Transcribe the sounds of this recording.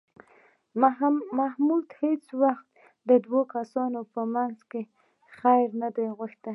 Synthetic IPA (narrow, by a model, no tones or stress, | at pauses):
mahmult̪het͡swaxt̪ | d̪əd̪wokasɑnopəmanzke | xajɾnad̪ajɣʊʃt̪a